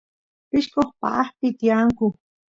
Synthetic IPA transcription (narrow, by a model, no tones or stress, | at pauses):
pɪʃkoχpa̰ʔːχpɪt̪ijaŋkʊ